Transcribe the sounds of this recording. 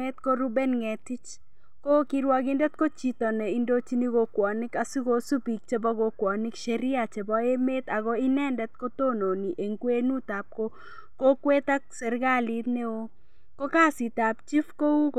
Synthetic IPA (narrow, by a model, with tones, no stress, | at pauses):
ɛ˦t̪̚ko˦ɾu˦bɛ˦nŋɛ˨tɪ˦t͡ʃ | ko˦ki˦ɾwa˦kɪ˦ndɛ˦t̪̚ko˦t͡ʃi˨tɔ˨nɛ˨i˦ndo˦t͡ʃi˦ni˦ko˨kwɔ˨nɪ˦ka˦su˦ko˦su˦bi˨k̚t͡ʃe˦bɔ˦ko˨kwɔ˨nɪ˦kʃɛ˨ɾɪ˦a˨t͡ʃe˨bɔ˦e˦me˦t̪a˨ɣɔ˦i˦nɛ˦ndɛ˦t̪̚ko˦to˦˨no˨ni˨ʔe˨ŋkwe˦nu˦ta˨p̚ko˦ | ko˦kwe˦ta˦ksɛ˨ɾɡa˦li˦t̪ne˦o˦ | ko˦ka˦si˨ta˨pt͡ʃi˦fko˦u˦k